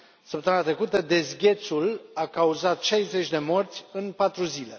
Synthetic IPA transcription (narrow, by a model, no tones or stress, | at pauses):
səp̚t̪əmɨnat̪ɾe̞kut̪əd̪e̞zɡʲe̞t̪sulakauzat̪ʃajze̞t͡ʃʲd̪e̞mo̞rt̪sʲɨnpat̪ɾuzile̞